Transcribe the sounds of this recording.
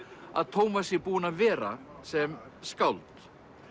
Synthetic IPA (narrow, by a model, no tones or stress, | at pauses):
a̰ðt̪ʰoːwmasjɛɾpuːnavɛːɾa̰sɛmskawlt̪